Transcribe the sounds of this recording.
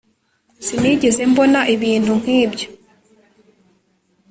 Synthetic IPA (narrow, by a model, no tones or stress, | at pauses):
siniɟeze̞mbo̞naʔiβiːn̥hun̥hiːbɟo